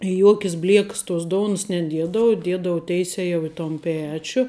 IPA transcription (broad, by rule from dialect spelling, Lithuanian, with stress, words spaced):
ɪ ˈjuɔkʲɪs ˈbʲlʲiɛks toːs ˈdoːʊns nʲɛˈdʲiɛdɐʋʊ ˈdʲiɛdɐʋʊ ˈtʲɛɪsʲɛ jɛʊ ɪ toːn ˈpʲæːt͡ʃʲʊ